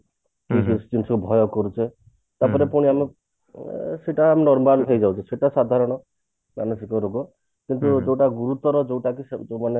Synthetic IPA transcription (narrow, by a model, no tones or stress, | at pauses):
kisist͡ʃinsɔkubʱɔjɔkɔɾut͡ʃʰe | t̪apɔɾepuɽ̃iame | seʈaːmnɔɾmalɦejd͡ʒawt͡ʃʰiseʈasad̪ʱaɾɔɽ̃ɔ | manɔsikɔɾoɡɔ | kint̪ud͡ʒewʈaɡuɾut̪ɔɾɔd͡ʒewʈakismane